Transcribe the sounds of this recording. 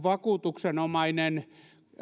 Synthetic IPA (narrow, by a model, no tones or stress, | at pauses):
ʋɑkuːt̪uksenomɑinen